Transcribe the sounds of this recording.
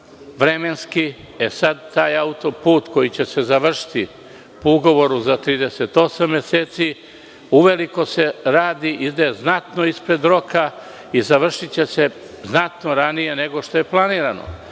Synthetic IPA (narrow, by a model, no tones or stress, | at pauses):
ʋɾe̞me̞nski | e̞sad̪̚t̪aːjaut̪o̞puːt̪ko̞jit͡ɕe̞se̞zaʋr̩ʃi̥t̪i | puuɡo̞ʋo̞ɾuzat̪ɾiːd̪ese̞t̪o̞samːje̞seːt̪si | uʋe̞liko̞se̞ɾaːd̪iʔid̪eznat̪no̞ispɾe̞d̪ɾo̞kʰa | izaʋr̩ʃit͡ɕe̞se̞ | znat̪no̞ɾanije̞ne̞ɡo̞ʃt̪o̞je̞plˠaniːɾano̞̰